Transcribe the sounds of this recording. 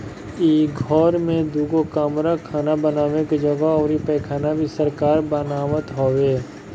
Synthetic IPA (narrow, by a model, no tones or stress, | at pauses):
iːɡʱɔːɾmẽd̪uːɡokaːmɾakʰaːnabənaːʋekad͡ʒəɡaɔːɾipɛːkʰaːnabʱiːsəɾkaːɾbənaːʋət̪ɦoːʋeː